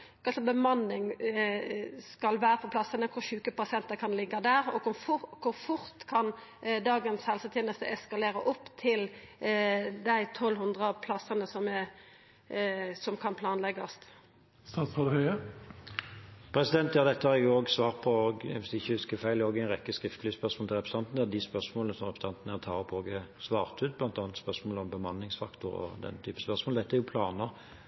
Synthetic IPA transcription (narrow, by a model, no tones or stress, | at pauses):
kʰɑlsɔbəmɑnːɪŋ | skɑlʋæːɾəpʰɔpʰlɑsənəkʰʊɾɕʉːkəpʰɑsɪɛnt̪əkʰɑnlɪɡːɑd̪æːɾɔkʊʊkʰʊɾfʊɾt̪kʰɑnd̪ɑːɡənshɛlsət̪ʰjeːnəst̪əʔɛskɑleːɾəʔɔpːt̪ʰɪl | d̪æɪt̪ʰɔlːhʉnd̪ʁəpʰlɑsənəsɔmɛ | sɔmkʰɑnpʰlɑːnlɛɡɑst̪ | st̪ɑːt̪sʁɑd̪əhœʏə | pʰɾɛsɪd̪ɛnt̪jɑːd̪ɛt̪ːəhɑɾɛɡjʊoːɡsʋɑːʁt̪̚pʰɔoːɡʋɪsd̪ɪçːəhʉskəfæɪloːɡæɪnʁɛkːəskʁɪft̪əlyːspœʁsmoːlʰɪlɾɛpɾəsɑnt̪n̩ɛd̪ɪspœʁsmoːlənəsɔmʁɛpɾəsɑnt̪nəæʁt̪ʰɑːʁɔpʰoːɡəsʋɑːʁt̪ʉːt̪̚blɑnt̪ɑːnət̪spœʁsmoːləɔmbəmɑnːɪŋsfɑ̰kt̪ʊɾɔ̰d̪ɛ̰nːət̪ʰyːpə̥spœʁsmoːld̪ɛt̪ːəɛɾjʊpʰlɑːnəʁ